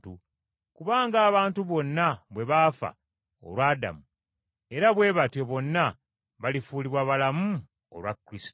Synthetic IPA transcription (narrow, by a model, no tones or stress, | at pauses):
tu | kuβaːŋɡaːβaːntuβo̞nːaβwe̞βaːfa̰ | o̰lwaːda̰mu | e̞ɾaβwe̞ːβatje̞βo̞nːa | βalifuːliβwaβalamu | o̰lwakːɾisto